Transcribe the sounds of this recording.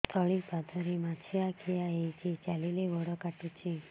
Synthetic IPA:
st̪ʰɔɭipad̪ʱəɾimat͡ʃʰiakʰijaejt͡ʃʰit͡ʃalileʋɔɽɔkaʈut͡ʃʰi

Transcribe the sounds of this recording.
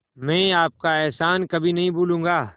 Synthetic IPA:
mɛ̃ːaːp̚kaɛːsaːnkɐbʱinɐɦĩbuːlũːŋɡaː

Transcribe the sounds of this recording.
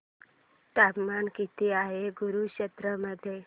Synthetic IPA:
ʈ̪apmankit̪iːaɦeɡuɾuɕət̪ɾəməd̪ʱːje

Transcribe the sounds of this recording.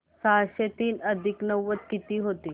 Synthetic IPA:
saɕet̪iːnəd̪ʱiknəʋːət̪kit̪iːɦot̪iː

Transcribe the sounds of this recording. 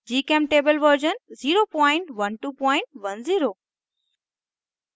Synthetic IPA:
d͡ʑiːkẽːmʈeːbəlʋəɾd͡ʑənziːɾoːpɔ̃ːɪ̃ɳʈʋənʈuːpɔ̃ːɪ̃ɳʈʋɐnziːɾoː

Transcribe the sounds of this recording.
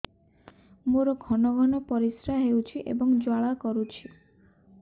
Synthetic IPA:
moɾɔɡʱɔnɔɡʱɔnɔpɔɾisɾaɦewt͡ʃʰiʔḛbɔŋd͡ʒwaɭakɔɾut͡ʃʰi

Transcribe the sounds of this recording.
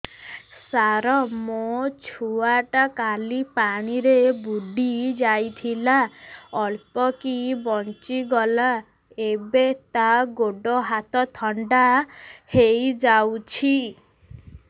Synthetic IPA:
saɾɔmot͡ʃʰuaʈakalipaɽ̃iɾebuɖid͡ʒajt̪ʰilaɔɭpɔkibɔnt͡ʃiɡɔla | ebet̪aɡoɖɔɦat̪ɔt̪ʰɔɳɖahejd͡ʒawt͡ʃʰi

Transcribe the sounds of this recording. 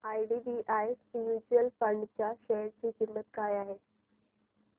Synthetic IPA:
ajɖibiʔajsjud͡ʑuəlfəɳɖt͡ɕjaɕeɾt͡ɕiːkimːət̪kajaɦe

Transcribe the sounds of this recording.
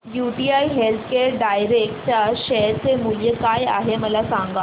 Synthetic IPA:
juʈiaiɦelt̪ʰkeɾɖajɾekʈ̚t͡ɕjaɕəjɾt͡semuljəkaja̰ɦeməlasãŋɡa

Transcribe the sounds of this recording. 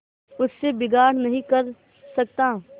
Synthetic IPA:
ʊsːebɪɡaːɽ̤nɐɦĩkɐɾ | sɐk̚t̪aː

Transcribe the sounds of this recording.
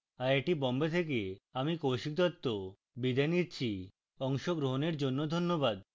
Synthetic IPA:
aɾeʈibɔmbet̪ʰek̬eamikowʃik̚d̪ɔt̪ːo | bid̪ʱanitːɕʰi | ɔŋʃoɡɾoɦoneɾd͡ʑonːod̪ʱonːobad̪

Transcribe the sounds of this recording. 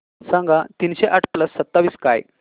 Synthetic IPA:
sãŋɡʱat̪iːnɕeʔaʈʰpləsːət̪ːaʋiːska̰j

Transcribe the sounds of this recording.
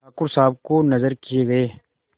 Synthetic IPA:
aːkʊɾsaːb̚konɐzəɾkijeɡɐeː

